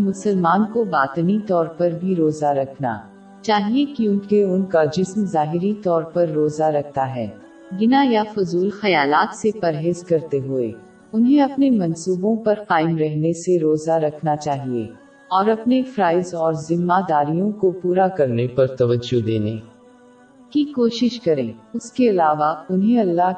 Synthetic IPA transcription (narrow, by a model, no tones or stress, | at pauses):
mʊsəlmaːnkobaːt̪nit̪ɔːɾpɐɾbʱiɾoːzaɾɐkʰna̰ː | t͡ʃaːɦiekjũːkeʊnkad͡ʒɪsmzaːɦɪɾit̪ɔːɾpɐɾːoːzaɾɐk̚ʰt̪aɦɛ̰ː | ɡɪnajafʊzuːlxɐjaːlaːt̪sepɐɾɦeːzkɐɾt̪eɦʊḛː | ʊnɦẽɐpnemɐ̃nsuːbõpɐɾqaːɪmɾɛɦneseɾoːzaɾɐkʰnat͡ʃaːɦiḛ | ɔːɾɐpnefɾaːɪzɔːɾzɪmːad̪aːɾijõkopuːɾakɐɾnepɐɾt̪ɐʋəd͡ʒːod̪eːnḛː | kikoːʃɪʃkɐɾḛ̃ːʊskeɐlaːʋaʊnɦẽɐlːa